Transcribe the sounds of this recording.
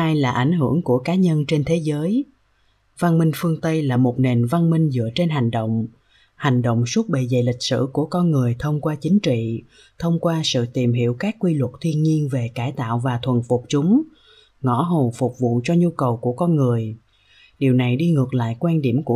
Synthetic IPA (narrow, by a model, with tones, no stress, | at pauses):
aː˧jlaː˨˩ʔa˧˩jŋ̟ɦɨ˧˩əŋku˧˩əkaː˨˦ɲə˧nt͡ɕe˧nt̪ʰe˨˦zəː˨˦j | va˧nmï˧ŋ̟fɨ˧əŋt̪ə˧jlaː˨˩mo˨˩t̚ne˨˩nva˧nmï˧ŋ̟zɨ̰˧˥ət͡ɕe˧nɦa˨˩jŋ̟ɗo̰˧˨wŋ͡m | ha˨˩jŋ̟ɗo̰˧˨wŋ͡mswu˦˥t̚ɓe˨zə˨˩jlï˨˩k̟̚sɨ̰˧˩ku˧˩əkɔ˧nŋɨ˨˩əjt̪ʰə˧wŋ͡mkwaː˧t͡ɕï˨˦ŋ̟t͡ɕḭ˧˨ | t̪ʰə˧wŋ͡mkwaː˧sɨ̰˧˨t̪i˨˩mɦḭ˧˨əwkaː˦˥kːwi˧lwə˨˩t̚t̪ʰwi˧ənɲi˧ənve˨˩kaː˧˩jt̪a̰ː˧˨wvaː˨˩t̪ʰwə˨˩nfʊ˨˩k͡p̚t͡ɕʊ˨˦ŋ͡m | ŋɔ˧˥ɦo˨˩fʊ˨˩k͡p̚vṵ˧˨t͡ɕɔ˧ɲu˧kə˨˩wku˧˩əkɔ˧nŋɨ˨˩əj | ɗi˨˩əwna˨˩jɗi˧ŋɨ˨˩ək̚la̰ː˧˨jkwaː˧nɗi˧˩əmku˧˩